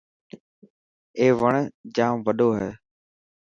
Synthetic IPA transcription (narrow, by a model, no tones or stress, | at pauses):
eːʋəɳd͡ʒãːʋəɗoːɦɛː